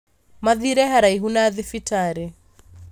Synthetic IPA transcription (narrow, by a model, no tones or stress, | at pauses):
maðiɾɛɦaɾaiɦunaðɪfitaɾɛ